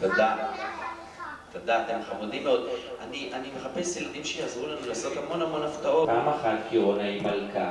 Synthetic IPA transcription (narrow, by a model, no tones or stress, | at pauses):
tad̪a | tod̪aːt̪emχamodimːeo̞d̪̚aniʔanimeχape̞sjelad̪imʃejazʁulanulaːso̞t̪hamo̞namo̞naft̪ao̞paːmaχatkionaimalka